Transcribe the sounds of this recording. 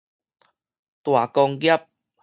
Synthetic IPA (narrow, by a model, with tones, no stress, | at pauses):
t̪wa˨˩kɔ˧ŋɡja˦˥p̚